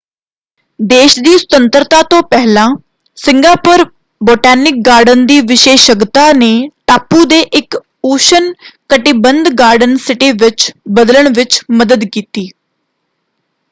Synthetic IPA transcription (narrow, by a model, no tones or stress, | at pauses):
d̪eːʃd̪iːst̪ənt̪əɾt̪aːt̪õːpɛɦlãː | sɪ̃ŋɡaːpʊɾ | boːʈɛːnɪk̚ɡaːɾɖənd̪iːʋɪʃeːʃəɡt̪aːneːʈaːpːuːd̪eːʔɪk | uːʃənkəʈɪbənd̪ɡaːɾɖənsɪʈiːʋɪt͡ʃbəd̪ləɳʋɪt͡ʃməd̪əd̪kiːt̪iː